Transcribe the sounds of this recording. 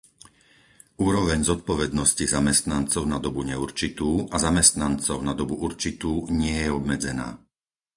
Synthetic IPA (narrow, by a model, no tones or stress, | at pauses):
uːɾɔʋɛɲzɔt̪̚pɔʋɛd̪nɔscizamɛst̪nant͡sɔʊnad̪ɔbuɲɛuɾt͡ʃit̪uːʔazamɛst̪nant͡sɔʊnad̪ɔbuʔuɾt͡ʃit̪uːɲɪɛjɛɔbmɛd͡zɛna̰ː